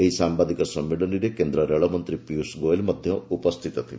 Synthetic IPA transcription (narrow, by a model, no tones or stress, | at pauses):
eɦisambad̪ikɔsɔmːiɽɔniɾekend̪ɾɔɾeɭɔmɔnt̪ɾipiusɡoelmɔd̪ʱjɔupɔst̪ʰit̪ɔt̪ʰile